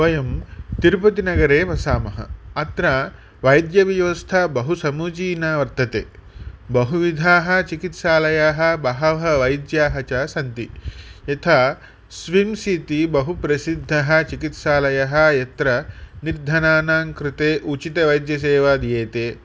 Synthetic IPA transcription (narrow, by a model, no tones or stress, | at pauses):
ʋɐjɐmt̪iɾpɐt̪inɐɡɐɾeːpɐsaːmɐɦɐ̰ɐt̪ɾaː | ʋɐjd̪jɐʋjɐʋɐst̪ʰɐbɐɦusɐmuːt͡ʃiːnaːʋɐɾt̪ɐt̪ḛːbɐɦuʋid̪ʱaːɦɐ̆t͡ʃikit̪ʃaːlɐjaːɦɐ̆bɐɦɐɦɐʋɐjd̪jaːɦɐt͡ʃaːsɐnt̪iɐt̪ʰaː | sʋimsiːt̪ibɐɦupɾɐsid̪ʱːɐɦɐ̆t͡ʃikit̪ʃaːlɐjɐɦɐ̆jɐt̪ɾɐniɾd̪ʱɐnaːnaːŋkɾɪt̪eːʔut͡ʃit̪ɐʋɐjd̪jɐseːʋaːd̪jeːt̪eː